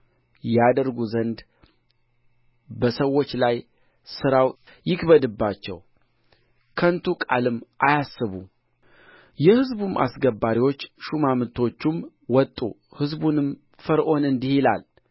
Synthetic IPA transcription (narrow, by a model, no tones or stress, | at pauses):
jɛad̪əɾɡuzənd̪ | bəsəwːo̞t͡ʃːlaj | sɨɾaw | jɪkbəd̪ɨbːat͡ʃːɛ̰w | kʰənt̪ʰukʼa̰lɨmʔajasːɨβu | jɛhɨzbumʔa̰sɡəbaɾiwo̞t͡ʃːʃumamɨt̪ʰo̞t͡ʃːum | wɔt̪ʼːṵ | hɨzbunɨm | fəɾʔo̞nɨnd̪ihila̰l